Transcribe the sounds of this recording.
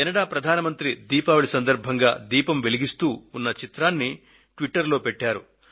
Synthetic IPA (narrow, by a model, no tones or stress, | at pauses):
ɛnɐɽaːpɾɐd̪ʱaːnɐmɐnt̪ɾid̪iːpaːʋɐɭisɐnd̪ɐɾbʱɐŋɡa̰ːd̪iːpɐmʋe̞liɡist̪uːunːɐt͡ʃit̪ɾaːnːi | ʈʋiʈːɐɾlo̞ːpɛʈːaːɾu